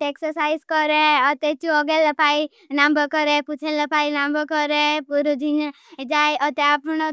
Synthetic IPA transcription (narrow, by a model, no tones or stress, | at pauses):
ʈ̪eksəɾsaiskɔɾeɔt̪et͡ʃuɔɡeləpai | nambəkɔɾeput͡ʃʰeləpainambəkɔɾepuɾod͡ʒʱin | d͡ʒajɔt̪eapno